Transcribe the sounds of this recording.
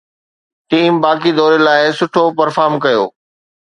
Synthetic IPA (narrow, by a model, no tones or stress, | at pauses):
ʈiːmbaːkid̪ɔːɾelaːɪsʊʈʰopɐɾfaːɾmkɐjo̰ː